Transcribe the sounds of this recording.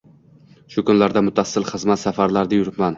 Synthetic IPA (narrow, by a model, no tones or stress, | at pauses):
ʃʊkʰʊnlaɾd̪amʊt̪ʰasːɪlχɨzmat̪safaɾlaɾd̪ajʊɾɪp̪man